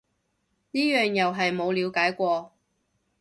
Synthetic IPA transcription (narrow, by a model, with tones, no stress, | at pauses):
niː˥jœː˨ŋjɐ˨wɦɐ˨jmo˨˧wliː˨˧wkaː˨˥jkʷɔː˧